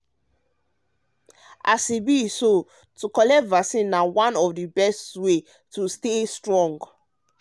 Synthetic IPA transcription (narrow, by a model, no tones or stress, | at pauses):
asibiso | tukɔlɛtvasĩnːawãnɔfdibɛstwe | tustestɹɔ̃ŋɡ